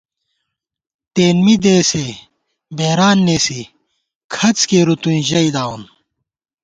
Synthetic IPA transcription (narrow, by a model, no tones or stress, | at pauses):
t̪eːnmid̪eːse | beːɾaːnːeːsi | kʰɐt͡skeɾut̪ũnʑɐid̪aːun